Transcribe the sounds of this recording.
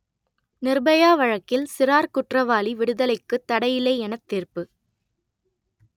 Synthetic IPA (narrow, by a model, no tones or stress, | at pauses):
nɪrbɐjaːʋɐɻɐkːɪlsɪɾaːɾkʊʈrɐʋaːliʋɪɽɯðɐlɐɪkːɯt̪ːɐɽɐjɪleːɛnɐt̪ːiːrpɯ